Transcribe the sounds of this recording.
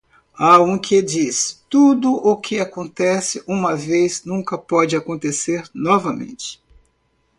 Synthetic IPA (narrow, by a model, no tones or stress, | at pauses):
aũkʰed͡ʒist̪ud̪ʊʔʊkʰɪakõnt̪ɛsɪʔũmɐvejznũkɐpɔd͡ʒɪakõnt̪eseɾnɔvɐmḛ̃nt͡ʃɪ̥